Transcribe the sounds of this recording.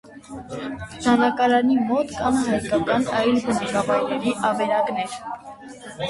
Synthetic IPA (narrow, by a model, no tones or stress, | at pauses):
d̪ɑnɑkɑɾɑnimɔt̪kɑnɦɑjkɑkɑnɑjlbənɑkɑvɑjɾɛɾiʔɑvɛɾɑknɛɾ